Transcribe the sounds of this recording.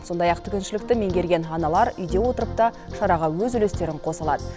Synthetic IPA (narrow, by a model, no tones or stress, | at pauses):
so̞nd̪ɑjɑqt̪ʰʏkʲɪnʃɪlɪk̚t̪ɪme̞ŋɡʲe̞ɾɡʲe̞nɑnɑlˠɑɾʏjd̪e̞wo̞t̪əɾəp̚t̪ɑ | ʃɑɾɑʁɑwɵzʏle̞st̪e̞ɾɪɴqʰo̞səlˠɑd̪ə